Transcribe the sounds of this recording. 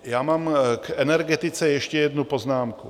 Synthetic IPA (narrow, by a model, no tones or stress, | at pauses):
jaːmaːmkɛnɛɾɡɛt̪ɪt͡sɛjɛʃcɛjɛd̪nupoznaːmkṵ